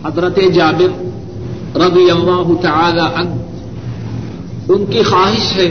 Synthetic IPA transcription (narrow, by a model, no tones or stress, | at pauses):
hɐzɾət̪ed͡ʒaːbɪɾ | ɾɐd̪ijɐlːaːɦʊt̪ɐʕaːlaʔɐn | ʊnkixaːɦɪʃɦɛː